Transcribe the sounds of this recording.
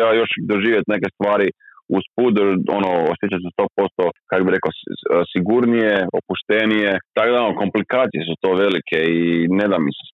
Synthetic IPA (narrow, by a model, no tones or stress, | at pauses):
ajo̞ʃd̪oʒiːʋjet̪nekest̪ʋaːɾiuspuoonoosjet͡ɕasest̪opo̞st̪okakobiɾe̞kosiɡuɾnijeopuʃt̪enijet̪akod̪aonoko̞mplikaːt̪sijesut̪o̞ːʋe̞likʰeine̞d̪amise̥